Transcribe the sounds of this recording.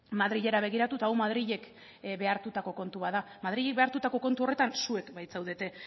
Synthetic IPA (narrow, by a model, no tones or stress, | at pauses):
maðɾiʎe̞ɾaβ̞e̞ɣ̞iɾat̪ut̪aːwmað̞ɾiʎe̞k | be̞aɾt̪ut̪ako̞ko̞nt̪uβaða | mað̞ɾiʎek̚be̞aɾt̪ut̪ako̞ko̞nt̪uo̞re̞t̪ansue̞kbajt͡sawðe̞t̪e̞